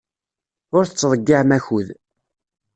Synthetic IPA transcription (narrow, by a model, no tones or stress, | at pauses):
ʊɾθət͡sːðˤəɡːaʕmæçuð